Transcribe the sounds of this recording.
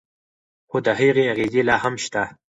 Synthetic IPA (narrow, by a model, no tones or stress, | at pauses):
xod̪əɦiɣeaɣizelɑːhamʃt̪a